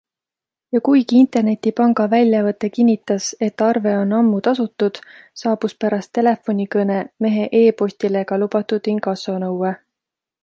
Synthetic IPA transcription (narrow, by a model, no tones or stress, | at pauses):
jɑkujɡiint̪e̞rne̞t̪ːipɑŋɡɑvælʲjɑvɤt̪ːˑe̞kinʲːit̪ːˑɑse̞t̪ːˑɑrve̞o̞nːɑmːut̪ɑsut̪ːˑud̪̥sɑːb̥uspæɾɑst̪ːe̞le̞fo̞nʲikɤne̞me̞ɦe̞ʔe̞ːpo̞sʲt̪ile̞ɡ̥ɑlubɑt̪ːˑud̪̥niŋɡɑso̞nɤwe